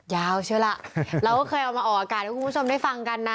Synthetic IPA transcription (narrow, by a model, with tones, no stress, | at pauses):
jaː˧˩wt͡ɕʰɯ˥˩la˨˩ʔɾaː˧wkɔː˥˩kʰɤː˧jʔɔ˨˩maː˧ʔɔː˨˩kʔaː˧kaː˨˩t̪̚ʰa˥˩kʰu˧˦˥t͡ɕʰmda˥˩jfa˧ŋka˧nːa˦˥